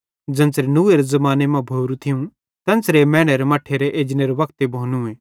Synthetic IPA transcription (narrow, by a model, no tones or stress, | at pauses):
d͡zɐ̃nsɾenuːeɾezɐmaːnemãbʱoːɾũt̪ʰɪjũ | t̪ɐ̃nsɾemɛ̃ːɽ̃eɾemɐʈʰeɾeʔeːd͡ʒneɾʋɐkt̪ebʱoːnũẽː